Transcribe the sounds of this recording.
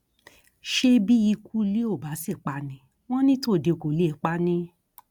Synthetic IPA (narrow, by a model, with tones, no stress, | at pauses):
ʃe˧bi˦ji˧kʰu˦li˦o˦˨ba˨˦si˦˨k͡pa˧nĩ˨˦ | w̃ɔ̃˦nĩ˦to˦˨de˧˨ko˨li˦e˨˦k͡pa˦nĩ˦